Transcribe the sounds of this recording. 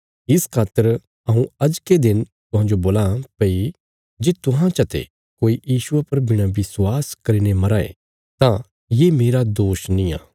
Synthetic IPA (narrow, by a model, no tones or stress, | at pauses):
ɪskʰaːt̪ːəɾ | ɐɦũɐd͡ʒked̪ɪnt̪ʊɦãːnd͡ʒoboːlapɐi | d͡ʒeːt̪ʊɦãt͡ʃɐt̪ḛ | koːijiːʃʊepɐɾbɪɽ̃ãʋɪswaːskɐɾinemɐɾaːḛ | t̪ã | jeːmeːɾad̪oːʃnĩa̰ː